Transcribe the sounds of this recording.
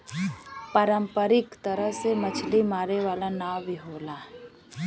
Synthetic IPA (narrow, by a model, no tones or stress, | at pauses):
paːɾəmpəɾɪkt̪əɾəɦsemɐt͡ʃʰlimaːɾeʋaːlanaːwʋiɦoːlaː